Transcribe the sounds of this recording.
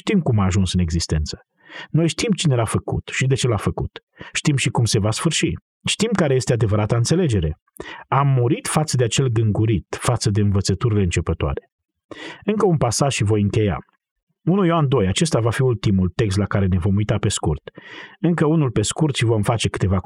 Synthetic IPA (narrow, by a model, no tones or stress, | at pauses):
ʃt̪imkumaːʒunsɨneɡzist̪e̞̰nt̪sə̥ | no̞jʃt̪imt͡ʃine̞lafəkṵt̪ʃid̪e̞t͡ʃe̞lafəkṵt̪ | ʃt̪imʃikumse̞vasfɨrʃi | ʃt̪imkaɾe̞je̞st̪e̞ad̪e̞vəɾat̪əɨnt̪sele̞d͡ʒe̞ɾe̞ | amːuɾit̪fat̪səd̪eat͡ʃe̞lɡɨŋɡuɾit̪fat̪səd̪e̞ɨnvət̪sət̪uɾileɨnt͡ʃe̞pət̪oa̰ɾe̞ | ɨŋkəunpasaʒʃivo̞jɨŋkʲe̞ja̰ | unujoand̪o̞jat͡ʃe̞st̪avafiult̪imult̪e̞ks̬t̪lakaɾe̞ne̞vo̞mujt̪ape̞skurt̪ɨŋkəunulpe̞skurt̪ʃivo̞mfat͡ʃe̞kɨ̥t̪e̞va